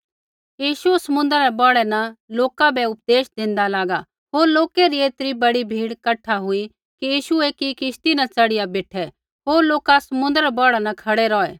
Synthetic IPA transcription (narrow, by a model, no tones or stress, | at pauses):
jiːʃuɛsɐmʊ̃nd̪əɾɾɛbɔːɽɛnɐloːkabɛʊp̚d̪eːʃd̪ɪ̃nd̪alaːɡa | ɦoːɾloːkeɾieːt̪ɾibɐɽibʱiːɽkɐʈʰːaɦʊi | kijiːʃueːkikɪst̪inɐt͡sɐɽɪjabeːʈʰɛ | ɦoːɾloːkasɐmʊ̃nd̪əɾɛbɔːɽɛnɐkʰɐɽeɾɔːɛː